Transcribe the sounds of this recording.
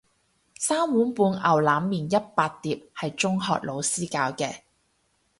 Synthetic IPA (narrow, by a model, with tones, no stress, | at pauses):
saː˥mwuː˨˥npuː˨˧nʔɐ˨˩wlaː˨˥mːiː˨njɐ˥t̚paː˧t̚t̪iː˨p̚hɐ˨jt͡ʃʊ˥ŋɦɔ̰ː˨˧k̚lo˨˧wsiː˥kaː˧wkɛː˧